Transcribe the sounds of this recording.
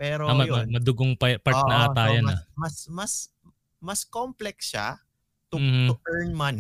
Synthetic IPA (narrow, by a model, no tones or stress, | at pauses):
pɛːɾoamɐmɐmɐd̪ʊɡoŋpɐpɐɾnɐʔaːt̪aːjɐnɐmɐsmɐs | mɐskomplɛksʃa̰ | t̪ʊm̩ːh̩ʊʔɛɹnman